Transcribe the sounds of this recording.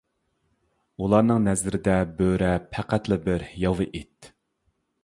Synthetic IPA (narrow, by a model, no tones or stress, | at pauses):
ulˠɑɾnɨŋnɛzɾɪd̪ɛbøɾɛpʰæqæt̪lˠɨbɪɾhjɑvɨʔit̪